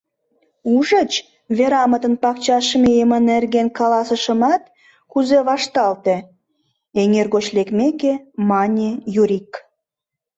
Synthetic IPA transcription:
uʒə̆t͡ɕ | βeɾɑmət̪ə̆npɑkt͡ɕɑʃmejemənĕrɣenkɑlɑsə̆ʃə̆mɑt̪ | kuzeβɑʃt̪ɑlt̪e | eŋerɣot͡ɕlekmekemɑnʲejuɾʲik

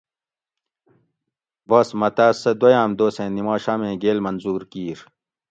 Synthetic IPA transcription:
bɐsmɐt̪aːsɐd̪ojaːmd̪oːsẽːnimaːɕaːmẽːɡeːlmɐnzuːɾkiːɾ

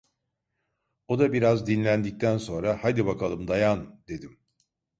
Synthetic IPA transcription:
o̞d̪abiɾazd̪inlʲænd̪ic̚t̪ʰænso̞nɾahad̪ibakʰalˠɯmd̪ajand̪̥e̞d̪im

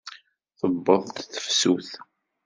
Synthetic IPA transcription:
θəbːəðˤt̪θə̥fsuθ

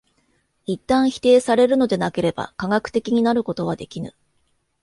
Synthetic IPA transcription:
it̪ːãɰ̃çi̥t̪e̞ːsaɾe̞ɾɯ̟no̞d̪e̞nake̞ɾe̞ba̰kaɡakɯ̥t̪e̞kʲiɲ̟inaɾɯ̟ko̞t̪o̞β̞ad̪e̞kʲinɯ̰

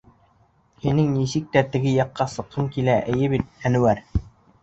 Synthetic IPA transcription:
hinɘŋnisik̚t̪æt̪ɘ̆ɡɘjɑqːɑsɤ̆qːɤŋkilæʔɘ̆jɘβit̪̚ːænɘ̆wæɾ

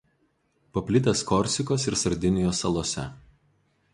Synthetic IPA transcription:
pɐpʲlʲɪt̪ʲɛskɔɾʲsʲɪkoːsɪɾsɐɾʲd̪ʲɪnʲɪjoːsɐlˠoːsʲɛ̰

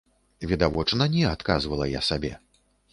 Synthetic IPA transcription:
vʲid̪avɔt͡ʂnɐnʲɛat̪kazvɐlˠɐja̰sabʲɛ̰

